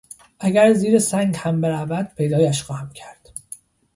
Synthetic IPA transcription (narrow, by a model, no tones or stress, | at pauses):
ʔæɡæɾziːɾesæŋɡhæmbe̞ɾævæd̪̥̚pʰe̞jd̪ɒːjæʃxɒːhæmcʰæɾd̪̥